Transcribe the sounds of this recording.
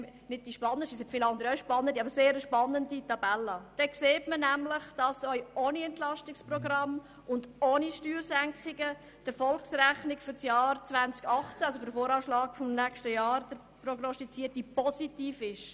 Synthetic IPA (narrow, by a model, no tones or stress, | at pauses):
nɪd̚d̥iʃpɑnːəsisɛtfɪlɑnd̪əɾjœʃpɑnːəndiɑbəseːɾəʃpɑnːənditɑbɛlːəd̥ɛkseːtmənæmləχd̥ɑsœʏoːniɛntlɑʃtɪksprɔɡrɑm | ʊndoːniʃtyːɾsæŋkχɪɡə | d̥əfɔlksræχnɪkfʏɾsjɑːɾt͡sʋænt͡sɡɑχt͡sæɑlsofʏɾəfoːɾɑːʃlɑːɡ̥fʊmnɛkʃtəjɑːɾd̥əɾ | prɔɡnɔstit͡siːətipɔsitiːfɪʃ